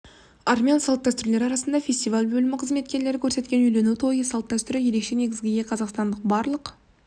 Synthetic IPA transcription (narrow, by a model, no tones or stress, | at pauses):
ɑɾmʲeansɑlˠt̪d̪æst̪ʏɾle̞ɾɑɾɑsənd̪ɑfʲe̞st̪ijvalʲbɵlɪmɪqʰəzme̞t̪̚kʲe̞ɾle̞ɾɪkʲʰɵɾse̞t̪kʲe̞nʏjle̞nut̪ʰo̞jəsɑlˠt̪̚d̪æst̪ʏɾɪje̞ɾe̞kʃe̞ne̞ɡʲɪzɡʲeɡʲeqʰɑzɑqst̪ɑnd̪əq̚bɑɾlˠəq